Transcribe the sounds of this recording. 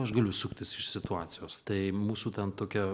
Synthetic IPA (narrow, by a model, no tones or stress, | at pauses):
ɐʃɡɐlʲʊsʊkt̪ʲɪsɪʃsʲɪt̪ʊɑːt̪sʲɪjoːst̪ɐɪmuːsuːt̪ʲɛnt̪oːkʲɛ